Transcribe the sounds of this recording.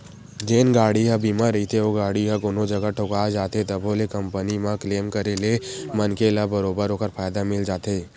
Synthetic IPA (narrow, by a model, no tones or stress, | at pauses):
d͡ʒeːnɡaːɽiɦabiːmaɾɐit̪ʰeoɡaːɽiɦãkoːnod͡ʒɐɡaʈʰokaːd͡ʒaːt̪ɦet̪ɐboːlekɐ̃mpənimãkleːmkɐɾele | mɐnkelabɐɾoːbəɾoːkəɾfʰaːjd̪amɪld͡ʒaːt̪eː